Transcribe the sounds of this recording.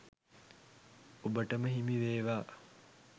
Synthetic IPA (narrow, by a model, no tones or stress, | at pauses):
obəʈəməɦimiʋeːʋaː